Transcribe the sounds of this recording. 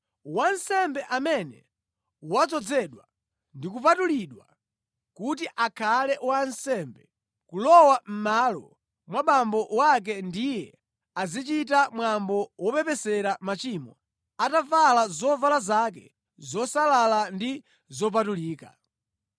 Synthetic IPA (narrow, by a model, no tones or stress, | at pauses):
wansɛmbɛʔamɛnɛ̰ | wat͡sɔd͡zɛɗwa | ndikup̬atuliɗwa | kut̬iʔakʰalɛwansɛmbɛ | kulɔwam̩malɔ | mwaɓambɔwak̬ɛndijɛ | azit͡ʃitamwambɔwɔpɛpɛsɛɾamat͡ʃimɔ | atavalazɔvalazak̬ɛ̰ | zɔsalalandi | zɔp̬atuliːka̰